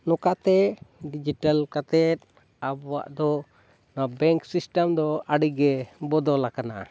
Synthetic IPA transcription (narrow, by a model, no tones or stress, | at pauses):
nɔkat̪ɛɖid͡ʒiʈalkat̪ɛt̪̚ | abɔwa̰ʔd̪ɔ | nabɛŋksisʈəmd̪ɔaɽiɡɛbɔd̪ɔlakana̰ʔ